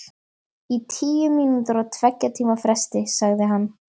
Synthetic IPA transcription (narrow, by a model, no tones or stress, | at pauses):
it̪ʰiːjʏminʏt̪ʏɾat̪ʰvɛcːat̪ʰiːmafɾɛst̪ɪsaɣðɪɦanː